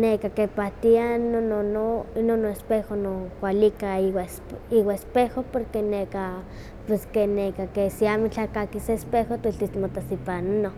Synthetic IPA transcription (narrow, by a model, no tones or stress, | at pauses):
nekakepat̪ianononononːoespehonokʷalikaiwasiwaespehopoɾkeneka | pweskenekakesiamit͡ɬakakiseespehot̪iɬt̪ist̪mot̪asipanano